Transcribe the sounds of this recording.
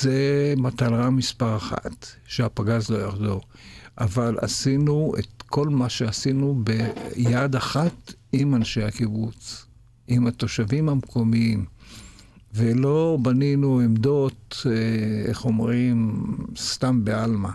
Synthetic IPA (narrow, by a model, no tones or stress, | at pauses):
z̥emat̪alʁamispaʁaχa̰t̪ʃeapaɡazlo̞jaχdo | ʔavala̰sinuḛt̪ko̞lmaʃeasinubejad̪aχat | imanʃejhakibut͡s | ʔimat̪o̞ʃavimamkʰo̞miim | velo̞baninuemd̪o̞teḛχo̞mʁimst̪ambealma